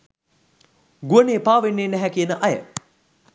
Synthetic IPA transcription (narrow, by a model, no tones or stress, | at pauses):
ɡuəneːpaːʋenːeːnæɦækiənəʔɐjə̰